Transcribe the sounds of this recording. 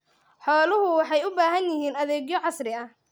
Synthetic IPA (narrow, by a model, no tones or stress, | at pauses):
ħɔːlʊɦʊwɑħɑjʊbaːɦɐnjɪɦiːnɐðɛːɡjɔʕɑsrɪɐ